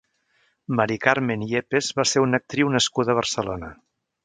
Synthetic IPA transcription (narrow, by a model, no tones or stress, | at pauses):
məɾikaɾmeniepezβaseɾunək̚t̪ɾiwnəskuðəβ̞ərsəlonə